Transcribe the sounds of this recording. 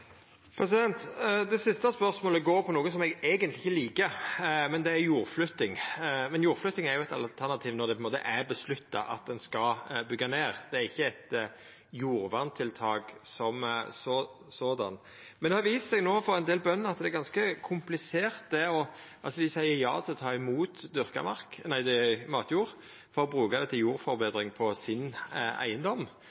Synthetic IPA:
pʰɾɛs̬ɪd̪ɛnt̪d̪ɛsɪst̪ɑspœɾsmoːləɡoːɾpʰɔnuːɡəsɔmɛɡeːɡənt̪lɪçːəliːkəmɛnd̪ɛæɾjuːɾflʉt̪ːɪŋmɛnjuːɾflʉt̪ːɪŋæɾjʊɛt̪ɑ̰lt̪ʰæʁnɑt̪ʰiːʋnɔɾd̪ɛpʰɔɪnmoːt̪ə̰ʔæɾbəslʉt̪ːɑ̰ʔɑ̰t̪̚d̪ɛnskɑbʏɡːɑneːɾd̪̥ɛæɾɪçːəɛt̪ | juːɾʋɑnt̪ʰɪlt̪ʰɑːɡsɔmso | soːd̪ɑ̰n | mɛnd̪ɛhɑʋiːssɛɡnoːfɔʁɛnd̪eːlbœnːnɑt̪d̪ɛæɾɡɑnskəkʰʊmplɪseːʁt̪̚d̪ɛɔ | ʔɑlsɔd̪ɪsæɪəɾjɑ̰ːt̪ʰɪlɔt̪ʰɑːɪmuːt̪d̪ʏʁkɑ̰mɑʁknæɪd̪ɛmɑːt̪ʰjuːɾ | fɔɾɔbɾʉːkɑd̪ɛt̪ʰːɪljuːɾfɔɾbeːd̪ʁɪŋpʰɔsɪnæ̰ɪənd̪ɔm

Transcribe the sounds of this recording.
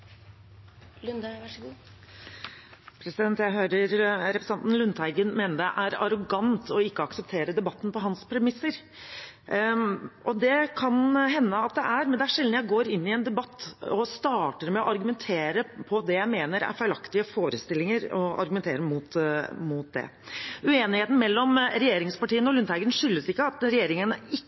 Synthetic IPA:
lnʂɡː | pʰɾɛsɪd̪ɛnt̪jæɪɦøːɾəɾɾɛpɾəsɑnt̪n̩lʉnt̪æɪɡənmeːnəɖ̪ɛʔæɾɑɾʊɡɑnt̪ʰɔɪkːəɑksəp̚t̪ʰeːɾəd̪ɛbɑt̪ːn̩pʰɔɦɑnspʰɾɛmɪsːəɾ | ʔɔd̪ɛkʰɑnɦɛnːəɑt̪̚d̪ɛʔæɾmɛnd̪ɛæʂɛld̪njæɪɡoːɾɪnːɪɛnd̪ɛbɑt̪ːɔst̪ɑːʈəɾmɛɔʔɑɾɡʉmɛnt̪ʰeːɾəpʰɔd̪ɛjæɪmeːnəɾæ̰ɾfæɪlɑkt̪ɪəfoːɾəst̪ɪlːɪŋəɾɔɑ̰ɾɡʉmɛnt̪ʰḛːɾəmuːt̪muːt̪̚d̪ɛ̰ | ʉeːnɪheːt̪n̩mɛlːɔmɾɛjeːɾɪŋspɑʈiːənɔlʉnt̪hæɪɡənʂʏlːəsɪkːəɑt̪ɾɛjeːɾɪŋənəɪ

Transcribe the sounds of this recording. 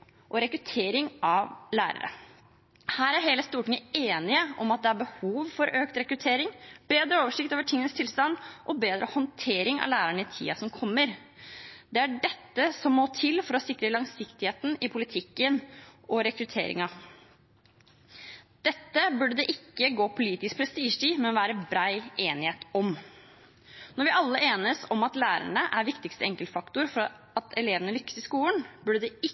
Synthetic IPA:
ʔɔɾɛkɾʉt̪ʰeːɾɪŋɑʋlæ̰ːɾə̰ɾə̰ | hæːɾæɾɦeːləst̪uːʈɪŋəeːnɪəʔɔmɑt̪̚d̪ɛæɾbəhuːʋfɔɾʔøːkt̪ɾɛkɾʉt̪ʰeːɾɪŋb̥eːd̪ɾəoːʋəʂɪkt̪oːʋəʈʰɪŋːənəst̪ʰɪlst̪ɑnʔɔbeːd̪ɾʔə̰hɔnt̪ʰeːɾɪŋɑ̰ʋlæːɾæɳəɪt̪ʰḭːɑsɔmkʰɔmːəɾ | d̪ɛæɖɛt̪ːəsɔmːoːt̪ʰɪlfɔɾɔsɪkɾəlɑŋsɪkt̪ɪheːt̪n̩ɪpʰʊlɪt̪ʰɪkːənɔɾɛkɾʉt̪ʰḛːɾɪ̰ŋɑ | d̪̥ɛt̪ːəbʉɖəd̪ɛʔɪkːəɡoːpʰʊliːt̪ɪsk̚pʰɾɛst̪iːʂʈiːmɛnʋæːɾəbɾæɪʔeːnɪheːt̪ɔm | nɔɾʋɪʔɑlːəʔeːnəsɔmɑt̪læːɾæ̰ɳəʔæɾʋɪkt̪ɪkst̪əɛŋkəlfɑkt̪ʊɾfɔɾ | ɑt̪ʰɛleːʋənəlʏkːə̥sɪskuːlənbʉɖəd̪ɛɪ

